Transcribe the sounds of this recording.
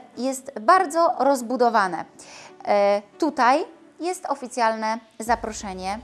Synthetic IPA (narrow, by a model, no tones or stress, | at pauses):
jɛst̪baɾd̪zɔɾɔzbud̪ɔvanɛ̰ | t̪ut̪aj | jɛst̪ɔfʲit̪sʲjalnɛ | zapɾɔʂɛɲɛ